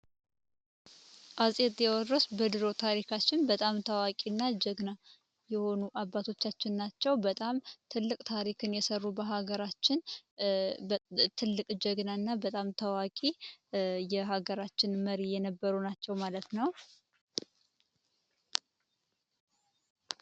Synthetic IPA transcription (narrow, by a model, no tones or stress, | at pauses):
ʔazʼet̪ʼjɛwɔrəsbəd̪ɨɾo̞t̪ʰaɾikʰat͡ʃːɪnbət̪ʼamt̪ʰəwakʼinːad͡ʒɛɡna | jɛho̞nuʔabːat̪ʰo̞t͡ʃːat͡ʃːɪnːat͡ʃːɛwbət̪ʼamt̪ʰɨlːɨkʼt̪ʰaɾikʰɨnjɛsərːubəɦaɡəɾat͡ʃːɪn | t̪ʰɨlːɨkʼd͡ʒɛɡnaɨnːabət̪ʼamt̪ʰəwakʼi | jɛɦaɡəɾat͡ʃːɪnməɾijɛnəbːəɾunat͡ʃːɛwmalət̪nəw